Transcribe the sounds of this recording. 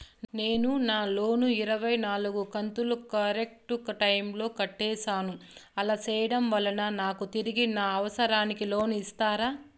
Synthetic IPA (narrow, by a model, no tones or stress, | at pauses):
ne̞ːnunaːlo̞ːnuiɾɐʋɐjnaːluɡukɐnt̪ulukɐɾek̚ʈukɐʈɐjmlo̞ːkɐʈːɛːʃaːnuɐlaːt͡ʃɛːjɐɽɐmʋɐlɐnɐnaːkut̪iɾiɡinaːɐʋɐsɐɾaːnikilo̞ːnuist̪aːɾaː